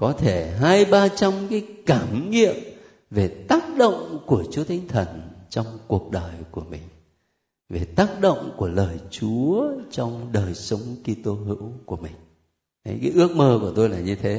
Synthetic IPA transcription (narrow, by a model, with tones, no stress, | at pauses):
kɔ˨˦t̪ʰe˧˩ɦaː˧jɓaː˧t͡ɕa˧mkaː˨˦jkaː˧˩mŋḭ˧˨əm | ve˨˩t̪aː˦˥k̚ɗo̰˧˨wŋ͡mku˧˩ət͡ɕu˨˦ət̪ʰa˨˦jŋ̟t̪ʰə˨˩nt͡ɕɔ˧wŋ͡mku˨˩ək̚ɗəː˨˩jku˧˩əmï˨˩ŋ̟ | ve˨˩t̪aː˦˥k̚ɗo̰˧˨wŋ͡mku˧˩ələː˨˩jt͡ɕu˨˦ət͡ɕɔ˧wŋ͡mɗəː˨˩jsə˨˦wŋ͡mki˧t̪o˧ɦɨ̰˧˥wku˧˩əmï˨˩ŋ̟˨˦ | jkaː˨˦ʔɨ˦˥ək̚məː˧ku˧˩ət̪o˧jlaː˨˩ɲɨ˧t̪ʰe˨˦